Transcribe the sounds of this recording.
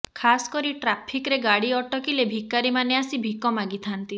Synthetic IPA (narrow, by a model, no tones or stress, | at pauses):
kʰasɔ̥kɔɾiʈɾapʰikɾeɡaɽiɔʈɔkilebʱikaɾimaneasibʱikɔmaɡit̪ʰant̪i